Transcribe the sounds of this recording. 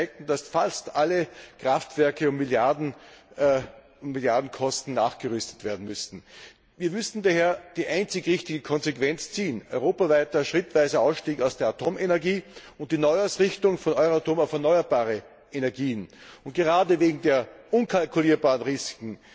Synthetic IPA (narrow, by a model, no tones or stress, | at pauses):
ɪk̚tn̩d̥asfalstʔalːəkʁ̥aftv̥ɛɐkəʊmːɪljadn̩ | ʊmmɪljaɐdn̩kʰɔstn̩naːχɡ̥əʁʏstə̥tv̥eːɐdn̩mʏstn̩ | viːɐmʏstn̩daheːɐd̥iːʔaɪnt͡sɪçʁɪçtɪɡəkʰɔnzekv̥ɛnt͡st͡siːənɔʏʁoːpavaɪtɐʃʁ̥ɪtv̥æɪzəaʊsʃtiːkaʊsd̥eːɐatʰoːmenɛɐɡiːʊnt̚d̥iːnɔʏaʊsʁɪçtʊŋfɔnɔʏʁotʰoːmaʊfɛɐnɔʏɐbaːʁə | ʔenɛɐɡiːənʊnt̚ɡ̥əʁaːdəveːɡŋ̩deːɐʔʊnkʰalkʰʊliːɐbaːʁənʁisɪ̥kŋ̩